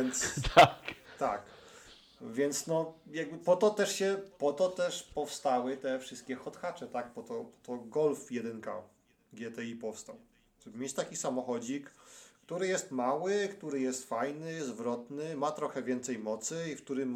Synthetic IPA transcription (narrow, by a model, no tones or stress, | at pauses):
ɛnt̪st̪akt̪ak | vʲjɛnt̪snɔjaɡbɘpɔt̪ɔt̪ɛʂɕɛpɔt̪ɔt̪ɛʂpɔfst̪awɘt̪ɛfʂɘst̪̚kʲɛxɔt̪xat͡ʂɛt̪aɡpɔt̪ɔpɔ̥t̪ɔɡɔlfjɛd̪ɛnka̰ | ɡʲjɛt̪ɛipɔfst̪aw | ʐ̥ɛbɘmʲet͡ɕt̪akʲisamɔxɔd͡ʑikːt̪uɾɘjɛst̪mawɘkt̪uɾɘjɛst̪fajnɘzvɾɔt̪nɘmat̪ɾɔxɛvʲjɛnt̪sɛjmɔt̪sɘifkt̪uɾɘm